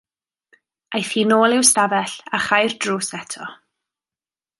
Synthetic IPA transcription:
ajθiːnoːlˠɪwstavɛɬaχajrdruːsɛtʰɔ̰

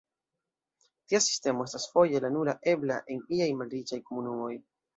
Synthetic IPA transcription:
tiasi̥ste̞mo̞e̞stasfo̞je̞lanulaʔe̞bla̰ʔe̞niajmalɾit͡ʃajko̞munumo̞j

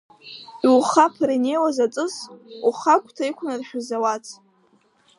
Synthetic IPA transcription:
iwχapʰrine̞jwazat͡sʼɨsuχakʷʼtʰaikʷʰnarħᶣʊzawat͡sʰʼ

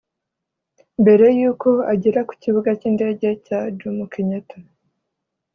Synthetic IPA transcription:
mbe̞ɾe̞juːko̞aɟiɾaku̥ciβuɡaciːnde̞ːɟe̞cad͡ʒumukʰeɲeto

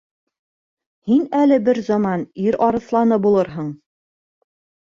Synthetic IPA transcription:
hinælɘbɘɾzɑmɑniɾɑɾɤ̆θlˠɑnɤbulˠɤɾɦɤɴ

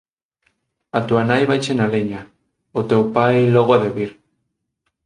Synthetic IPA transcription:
at̪uanajβajt͡ʃenaleɲa | ʊt̪ewpajlɔɣoaðeβiɾ

